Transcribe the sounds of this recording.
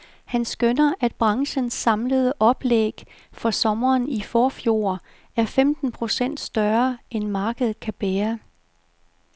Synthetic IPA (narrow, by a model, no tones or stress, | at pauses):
hænsɡ̥ønɐʔæd̥b̥ʁɑ̈ŋɕənsːɑ̈mləð̞̩ˠəʔɒ̽b̥leɡ̥ | fɒ̽sɒ̽mɐːnifɒːfjo̝̰ːɐ | æɐfemd̥n̩pʰʁo̝sen̰d̥sd̥ɶɐʔenmɑ̈ːɡ̥əð̩ˠkʰæb̥ɛːɐ